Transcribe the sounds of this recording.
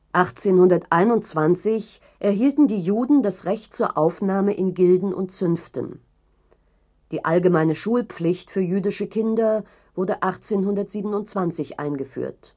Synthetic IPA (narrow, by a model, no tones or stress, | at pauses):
ʔaχt͡seːnhʊndɐtʔaɪnʊntt͡sv̥ant͡sɪç | ʔɛɐɦiːltn̩diːjuːdn̩dasʁɛçt̚t͡suːɐʔaʊfnaːməʔɪnɡɪldn̩ʔʊ̰ntt͡sʏnftə̰n | d̥iːʔalɡəmaɪnəʃuːlp͡flɪçtfyːɐjyːdɪʃəkʰɪndɐ | v̥ʊɐdəʔaχt͡seːnɦʊndɐtz̥iːbən̩ʊntt͡sv̥ant͡sɪçʔa̰ɪnɡəfy̰ːɐt